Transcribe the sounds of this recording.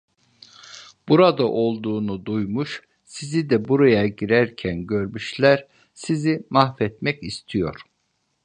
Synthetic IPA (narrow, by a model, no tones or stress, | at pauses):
b̥uɾad̪aʔo̞lˠd̪uːnud̪ujmuʃ | sizid̪ɛbuɾajaɟiɾæɾcʰænɟø̞ɾmyʃlʲæɾ | sizimaxfɛt̪mɛcist̪ʰijo̞̰ɾ̥